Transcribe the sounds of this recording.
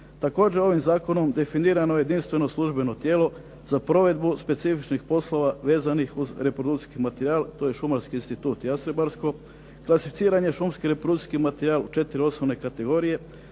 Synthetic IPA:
t̪ako̞ːd͡ʑe̞o̞ʋimzaːko̞no̞md̪e̞finiːɾano̞jed̪inst̪ʋe̞no̞slˠuʒbe̞no̞t̪je̞ːlo̞ | zapɾo̞ʋe̞d̪buspe̞t̪sifit͡ʃnixpo̞slˠo̞ʋaʋe̞ːzanixuzɾe̞pɾod̪ut̪i̥skimat̪eɾiaːlt̪o̞jeʃumaɾskiinst̪it̪uːt̪jasɾebaɾsko̞ | klˠasifit̪siːɾaɲe̞ʃumskiɾe̞pɾd̪ut̪i̥skimat̪eɾiaːlˠut͡ʃe̞t̪iɾio̞snomne̞kat̪e̞ɡo̞ɾije̞

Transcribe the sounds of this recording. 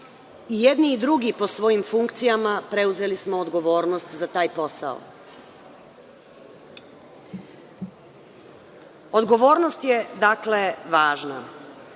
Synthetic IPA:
ije̞d̪niːd̪ɾuɡipo̞sʋo̞jimfuŋkt̪sijamapɾe̞uze̞lismo̞ːd̪ɡo̞ʋo̞ːɾnost̪zat̪aːjpo̞sa̰o̰ | od̪ɡo̞ʋo̞ːɾno̞st̪jed̪akle̞ʋaːʒna̰

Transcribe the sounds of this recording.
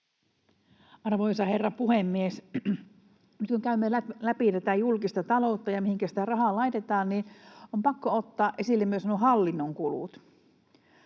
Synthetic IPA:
ɑrʋoisɑherːɑpuhemːies | nyt̪kuŋkæymːelæpit̪æt̪æjulkist̪ɑt̪ɑlout̪ːɑjɑmihiŋkæsi̥t̪ærɑhɑlɑit̪et̪ɑːnniompɑkːoot̪ːɑːʔesilːemːyøsɑnohɑlːinːoŋkulṵt̪

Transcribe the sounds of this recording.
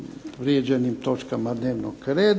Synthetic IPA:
ʋɾjed͡ʒenimt̪ot͡ʃkamad̪neːʋnokɾeːd̪

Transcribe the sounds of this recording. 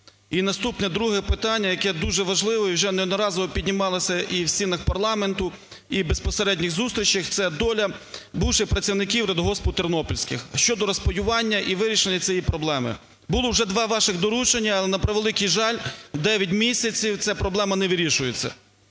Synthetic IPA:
inɐst̪upnɛd̪ɾuɦɛpɪt̪ɑnʲːɐjɐkɛd̪uʒɛʋɐʒlˠɪʋɔiwʒɛnɛnɔɾɑzɔʋɔpʲidʲnʲimɑlˠɪsʲɐʔiwsʲt͡sʲinɐxpɐrlˠɑment̪ʊ | ibespɔseɾɛdʲnʲiɣzust̪ɾʲit͡ʃixt̪sɛd̪ɔlʲɐbuwʃɪxpɾɐt͡sʲiwnɪkʲiwɾʲɛd̪ɦɔspɔt̪ɪrnɔpɔlʲsʲkɪxʃt͡ʃɔd̪ɔɾɔspɔjʲʊʋɑnʲːɐʔiʋɪɾʲiʃenʲːɐt͡sʲijipɾɔblˠɛmɪ̰ | bʊlˠɔwʒɛd̪ʋɑʋɑʃɪɣd̪ɔɾut͡ʃenʲːɐːlˠɛnɐpɾeʋelˠɪkijʒɑlʲwd̪ɛʋʲjɐt̬ʲmʲisʲɐt͡sʲiw̪ʲɛpɾɔblˠɛmɐnɛʋɪɾʲiʃʊjet͡sʲːɐ̰

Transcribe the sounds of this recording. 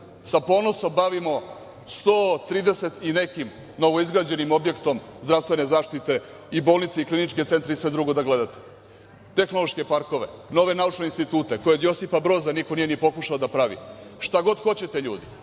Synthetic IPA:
sapo̞ːno̞so̞mbaʋimo̞ | st̪oːt̪ɾiːd̪ese̞t̪ine̞kim | no̞ʋo̞izɡɾaːd͡ʑe̞nimo̞bje̞kt̪o̞mzd̪ɾafst̪ʋe̞nezaːʃt̪it̪e̞ | ibo̞ːlˠnit̪seiklinit͡ʃkese̞nt̪ɾeisʋe̞d̪ɾuɡo̞d̪aɡle̞d̪at̪e̥ | t̪e̞xno̞lˠo̞ʃke̞paɾko̞ʋe̞no̞ʋe̞naut͡ʂneinst̪it̪uːt̪e̞ko̞jed̪jo̞sipabɾo̞ːzaniko̞nije̞nijepo̞kuʃaod̪apɾaʋḭʃt̪aɡo̞d̪xo̞t͡ɕe̞t̪eʎuːd̪i

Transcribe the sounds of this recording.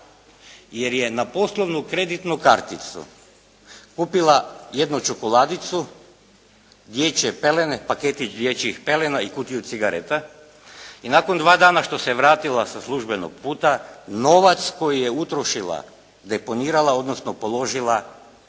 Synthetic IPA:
jeɾjenapo̞slˠoʋnukɾe̞d̪it̪nukaɾt̪it̪sṵ | kuːpilˠajed̪nut͡ʃokolˠaːd̪it̪su | d̪jet͡ʃepelenepaket̪it͡ʃd̪jet͡ʃixpelenaikuːt̪iusiɡaɾet̪a | inakond̪ʋaːd̪aːnaʃt̪o̞seʋɾaːt̪ilˠasaslˠuʒbeno̰ɡ̚puːt̪ano̞ʋat̪sko̞jijeut̪ɾoʃilˠa̰ | d̪epo̞niːɾalao̞d̪nosnopo̞lˠo̞ʒilˠa

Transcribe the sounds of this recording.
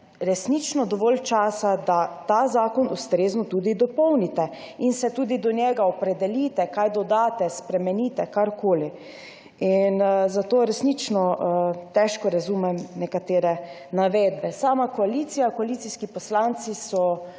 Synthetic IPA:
ɾɛsnit͡ʃnɔd̪ɔʋɔlt͡ʃaːsad̪at̪aːzaːkɔnust̪ɾeːznɔt̪uːd̪id̪ɔpɔwnit̪ɛ | insɛt̪uːd̪id̪ɔnjɛɡaɔpɾɛd̪ɛliːt̪ɛkajd̪ɔd̪aːt̪ɛspɾɛmɛniːt̪ɛkaɾkoːli | inzat̪oːɾɛsnit͡ʃnɔt̪ɛʃkɔɾazumɛmnɛkat̪eːɾɛ | naʋeːd̪̚bɛsaːmakɔalit̪sijakɔalit̪siskipɔslant̪sisɔ

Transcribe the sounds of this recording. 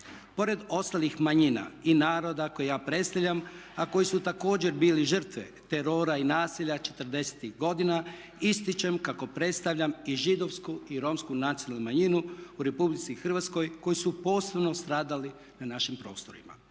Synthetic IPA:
po̞ɾe̞d̪o̞st̪alixmaɲina̰inaːɾo̞d̪ako̞jejaːpɾe̞t̪st̪aʋʎʲamako̞jisut̪ako̞ːd͡ʑe̞ɾbiːliʒr̩t̪ʋet̪eɾo̞ːɾainaːsiʎat͡ʃe̞t̪əɾd̪e̞se̥t̪iɣɡo̞d̪ina | ist̪it͡ʃe̞mkako̞pɾe̞t̪st̪aʋʎʲamiʒid̪o̞ʋskuiɾo̞mskunat̪ionalˠnumaɲinuuɾe̞publit̪sixr̩ʋat̪sko̞jko̞jisupo̞ːse̞bno̞st̪ɾaːd̪ali | nanaʃimpɾo̞̰ːst̪o̞̰ɾḭma̰

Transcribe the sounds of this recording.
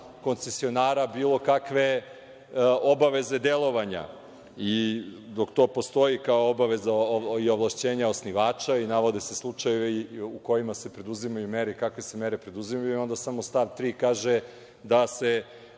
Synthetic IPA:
ko̞nt̪sesio̞naːɾabiːlˠo̞kakʋe̞ | o̞baʋe̞ze̞d̪elˠo̞ʋaɲa̰ | id̪o̞kt̪o̞ːpo̞st̪o̞jikaoobaʋe̞zaio̞ʋlˠaʃt͡ɕeːɲaosniʋaːt͡ʃainaʋo̞d̪ese̞slˠut͡ʂajeʋeuko̞jimase̞pɾe̞d̪uzimajumeɾeikakʋese̞meɾepɾe̞d̪uzimajuio̞nd̪asamo̞st̪aʋt̪ɾiːkaːʒe | d̪ase

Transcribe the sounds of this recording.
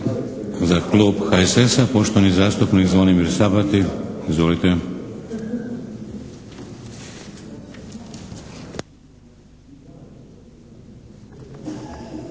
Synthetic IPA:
zakluːbxaesesapoʃt̪onizaːst̪upnikzʋonimiɾsabat̪iizʋolit̪e

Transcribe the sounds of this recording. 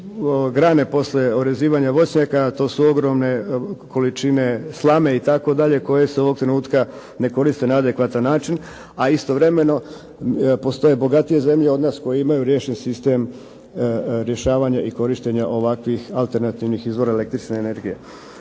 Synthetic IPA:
ɡɾaːne̞po̞sʎʲe̞oɾe̞ziːʋaɲaʋo̞t͡ɕɲakat̪o̞ːsuo̞ɡɾo̞mne̞ko̞lit͡ʃine̞slˠame̞it̪ako̞d̪aʎe̞ko̞je̞seo̞ʋo̞ɡ̚t̪ɾenuːt̪ka | ne̞ko̞ɾist̪e̞naad̪e̞kʋat̪anːaːt͡ʃin | aist̪o̞ʋɾe̞me̞no̞ | po̞st̪o̞je̞bo̞ɡat̪ije̞ze̞mʎe̞o̞d̪naːsko̞jeimajuɾje̞ːʃensist̪e̞m | ɾje̞ʃaːʋaːɲaʔiko̞ɾiʃt̪e̞ɲaʔo̞ʋakʋixalˠt̪e̞ɾnat̪iʋnixizʋo̞ɾaele̞kt̪ɾit͡ʃneene̞ɾɡije̞

